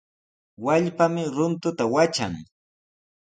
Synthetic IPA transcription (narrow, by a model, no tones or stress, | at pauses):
waʎpamɪɾʊnt̪ʊt̪awat͡ʃa̰ŋ